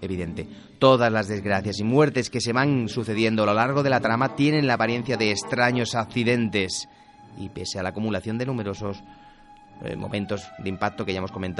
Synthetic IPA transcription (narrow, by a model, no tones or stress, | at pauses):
e̞βiðe̞nt̪e̞ | t̪o̞ðazlazðe̞zɣɾaθjasimwe̞ɾt̪e̞ske̞se̞βansuθe̞ðje̞nd̪oalolaɾɣ̞o̞ð̞e̞lat̪ɾamat̪je̞ne̞nlaːpaɾje̞n̟θjaðe̞ːst̪ɾaɲo̞sakθiðe̞nt̪e̞s | ḭpe̞sealakumulaθjo̞nd̪enume̞ɾo̞so̞s | mo̞̰mʔẽ̞nt̪o̞zðeimpak̚t̪o̞keʝaemosko̞ment̪